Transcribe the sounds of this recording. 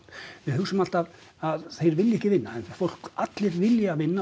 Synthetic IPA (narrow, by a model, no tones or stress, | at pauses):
vɪðhʏsʏmal̥t̪aðaðθejɾvɪlːɪɛhcɪvɪnːaɛnfowl̥kat̪lɪɾvɪljavɪnːa